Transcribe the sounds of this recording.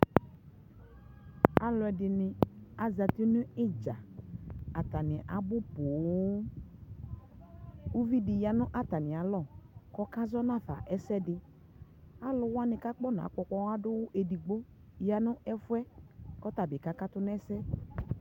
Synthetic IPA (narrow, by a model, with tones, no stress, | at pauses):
a˦lɔ˨ɛ˨dɪ˨nɪ̃˨a˨za˨t̪i˦nʊ̃˦ɪ˦d͡ʒa˨ | a˨t̪a˨nɪ̃˨ʔa˨bʊ˦pʊ˨˦ | u˦vi˦dɪ˨ja˨nʊ̃˦ʔa˦t̪a˨nɪ̃˨a˨lɔ˦˨kɔ˦ka˦zɔ˦nã˦˨fa̰˨ʔɛ˦sɛ˦dɪ˨ | a˦lʊ˨wʊ˦a˦nɪ̃˨ka˦k͡pɔ˦n˨a̰˨˦k͡pɔ˨k͡pɔ˦wa˦dʊ˦wʊ˦ʔe˨di˨ɡ͡bo˦ | ja˨nʊ̃˦ʔɛ˦fʊ˦ɛ˦kɔ˦t̪a˨bɪ˨ka˦ka˦t̪ʊ˦nɛ˦sɛ˦